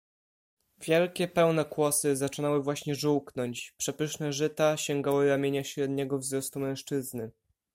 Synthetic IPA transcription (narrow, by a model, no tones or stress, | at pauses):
vʲjɛlkʲɛpɛwnɛkwɔsɘzat͡ʂɘnawɘvwaɕɲɛʐuwknɔɲt͡ɕpʂɛpɘʂnɛʐɘt̪aɕɛŋɡawɘɾamʲjeɲaɕɾɛd̪ɲɛɡɔvzɾɔst̪umɛ̃w̃ʂt͡ʂɘznɘ